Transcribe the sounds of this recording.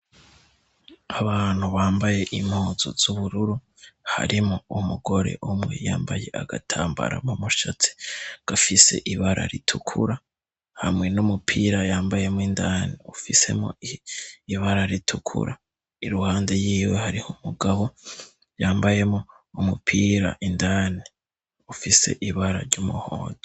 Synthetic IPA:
aβaːn̥huβaːmbaje̞ʔimhoːzo̰z̥uβuɾuɾu | ha̰ɾimoumuɡo̞ɾe̞̰ʔumŋe̞̰jaːmbaje̞aɡa̰tʰaːmba̰ɾa̰momuʃat͡si̥ɡ̥afise̞̰ʔiβaɾʔa̰ɾitʰukʰuɾa | hamŋe̞numupʰiːɾajaːmbaje̞mindaːniufise̞̰mo̰iiβaɾaɾitʰukʰṵɾʔa | iɾuhaːnde̞jiːwehaɾihumuɡaβo̞ | jaːmbaje̞mo | umupʰiːɾa̰ʔindaːni | ufise̞̰ʔiβaɾa̰ɾɟumuhoːndo

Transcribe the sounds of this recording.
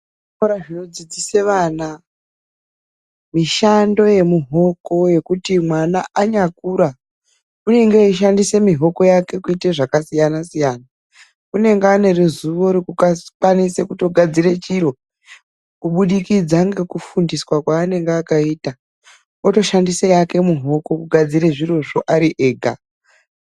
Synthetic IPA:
auɾaʐino̞d͡zid͡zise̞ʋaːna | miʃando̞je̞muɦo̞ko̞je̞kutimwanaʔaɲakuːɾa | une̞ŋɡeiʃ̬andise̞miɦo̞ko̞jake̞kuiteʐakasijanasijaːna | une̞ŋɡeane̞rezuʋo̞ɾikukakwanise̞kuto̞ɡʱad͡zire̞t͡ʃiɾo̞ | kuɓuɗikid͡zaŋɡe̞kufundiswakwaːne̞ŋɡeakaiːta | oto̞ʃandisejake̞muɦo̞ko̞kuɡʱad͡zireʐiro̞ʐoʔaɾiʔe̞ːɡʱa̰

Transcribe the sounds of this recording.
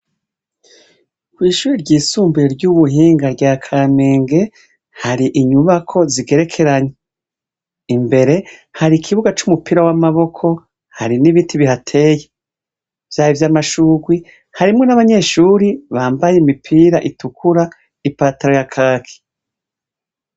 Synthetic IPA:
kwiːʃuːɾiɾɟiːsuːmbiɾeɾɟuβuɦiːŋɡaɾɟaːkʰameːŋɡe̞ | haɾiʔiɲuβakʰo̞ziɡe̞ɾe̞kʰe̞ɾaɲe | imbe̞ɾe̞haɾikʰiβuɡat͡ʃumupiɾawamaβo̞kʰo̞ | haɾiniβitʰiβihatʰe̞je | v̥jaːjivjaːmaʃuːɡwi | haɾimŋe̞naβaɲe̞ʃuːɾiβaːmbajemipʰiːɾaʔitukʰuɾa | ipataɾojakʰaːkʰi̥

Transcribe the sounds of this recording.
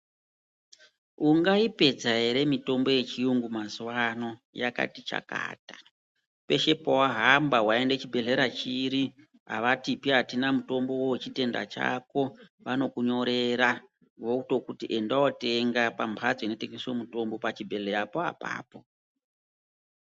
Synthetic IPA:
uŋɡaipe̞d͡zaɦe̞ɾe̞mito̞mbo̞je̞t͡ʃiuŋɡumazuwano̞ja̰ka̰tit͡ʃa̰ka̰ːtḁ | pe̞ʃe̞powaɦambawae̞ndet͡ʃibʱe̞ɮe̞ɾat͡ʃiɾi | ɦa̰ʋatipiɦatinamuto̞mbo̞wowet͡ʃite̞nda̰t͡ʃa̰ko̞ʋano̞kuɲo̞ɾe̞ɾa | ʋo̞uto̞kutiʔe̞ndawote̞ŋɡapampʰad͡zoino̞teŋɡeswomuto̞mbo̞pat͡ʃibʱe̞ɮeɾapoa̰pa̰ːpo̞

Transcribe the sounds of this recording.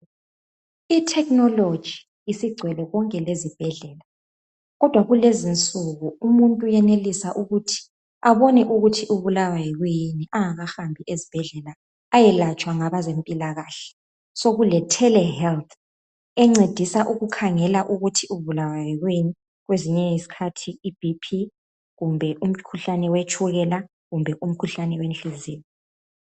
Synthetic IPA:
itʰɛknɔlod̥ʒ̥ʱiː | siɡ͡ǀʱwɛlɔɣɔŋkʼɛlezib̥ʱɛɮɛːla | ɣɔd̥ʱwaɣulezint͡sʼuɣuumuntʼujɛnelisaʔuɣutʰi̥ | aβoniʔuɣutʰiʔuβulawajɛɣwjiniʔaŋaɣaxambʱiʔezib̥ʱɛɮɛlaː | jɛlat͡ʃʼwaŋaβazempʼilaɣaːɬɛ̥ | soɣulɛtʰɛlɛhɛlt̪ʰ | ɛŋ͡ǀed̥ʱisaʔuɣukʰaŋɛlaʔuɣutʰiuβulawajɛɣwini | ɣweziɲɛisi̥kʰatʰiːb̥ʱipʰi | ɣumbʱɛʔum̩kʰuɬanɛwet͡ʃʰʼuɣɛla | ɣumbʱɛʔum̩kʰuɬanɛwent͡ɬiziːni

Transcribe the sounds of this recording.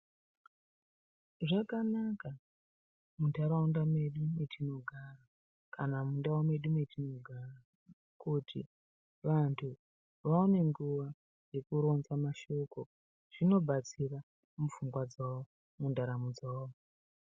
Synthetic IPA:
ʐakanaka | mundaɾaundamwe̞ɗumwetino̞ɡʱara | kanamundawomwe̞ɗumwetino̞ɡʱara | kutḭ | ʋantʰu | ʋaone̞ŋɡuʋa | je̞kuɾo̞nzamaʃo̞ko̞ | ʐ̥ino̞bʱat͡sira | mufuŋɡwad͡zawo | mundaɾamud͡zawo

